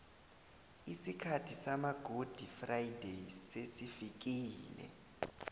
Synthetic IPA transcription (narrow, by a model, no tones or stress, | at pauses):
isikʰatʰisamaɡ̥ʱod̥ʱifrajidʱesesifik̬iːlɛ̰